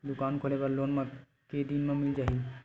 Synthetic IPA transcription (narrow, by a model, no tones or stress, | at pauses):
d̪ukankʰolebaɾlonma | ked̪inmamild͡ʒaɦi